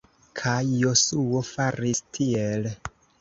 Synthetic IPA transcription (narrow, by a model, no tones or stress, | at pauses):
kʰajːo̞suo̞faɾistʰiel